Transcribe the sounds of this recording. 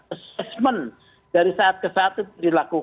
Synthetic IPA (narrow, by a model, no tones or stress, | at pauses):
əsɛsmən | daɾisaat̪̚kəsaat̪ɛt̪dilaku